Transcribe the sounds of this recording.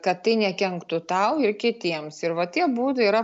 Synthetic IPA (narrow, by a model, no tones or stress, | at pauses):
kɐt̪t̪ːɐɪnʲɛkʲɛŋkt̪ʊt̪ɐʊɪrkʲɪt̪ʲiɛmsɪɾʋɐt̪ʲiɛbuːd̪ʊiɾɐ